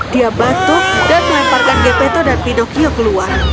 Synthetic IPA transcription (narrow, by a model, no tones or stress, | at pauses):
d̥iabat̪udanməlɛparkanɡepɛt̪ɔdanpinɔkiɔkəluar